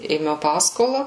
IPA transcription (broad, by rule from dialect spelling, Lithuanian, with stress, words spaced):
eːˈmʲɛʊ ˈpɑːskoːlˠɐ